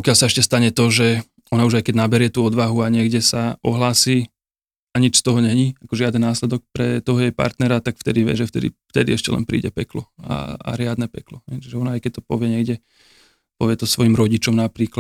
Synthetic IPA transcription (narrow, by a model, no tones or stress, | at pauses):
pɔkɪalsaɛʃcɛst̪aɲɛt̪ɔʒɛ | ɔnauʒajkɛɟnabɛɾɪɛt̪uːɔd̪ʋaɦuaɲɪɛɡɟɛsaʔɔɦlaːsiː | aɲit͡ʃst̪ɔɦɔɲɛɦɲiakɔʒɪad̪nɛnnaːslɛd̪ɔk̚pɾɛt̪ɔɦɔjɛpa̰ɾt̪nɛɾat̪akft̪ɛd̪iʋjɛ̰ʒɛft̪ɛ̰d̪ḭft̪ɛd̪iɛʃcɛ̰lɛ̰npɾḭːɟɛpɛklɔa̰a̰ɾɪad̪nɛpɛklɔɦɛjt͡ʃiʒɛɔnaajkɛc̚t̪ɔpɔʋɪɛɲɛɡɟɛ | pɔʋɪɛt̪ɔsʋɔjimɾɔɟit͡ʃɔmnapɾiːkla